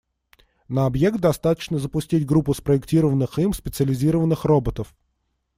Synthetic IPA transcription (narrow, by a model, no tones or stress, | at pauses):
nəɐbjekt̪̚d̪ɐst̪at̪ə̥t͡ɕnəzəpʊsʲtʲitʲɡɾupːʊspɾəɪktʲiɾəvənːɨximspʲɪt̪sɨəlʲɪzʲiɾəvənːɨxro̞bət̪əf